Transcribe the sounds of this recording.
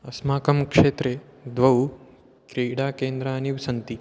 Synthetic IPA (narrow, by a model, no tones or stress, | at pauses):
ɐsmaːkɐmkʂeːt̪ɾed̪ʋɐw | kɾeːɽaːkeːnd̪ɾaːniʋsɐnt̪i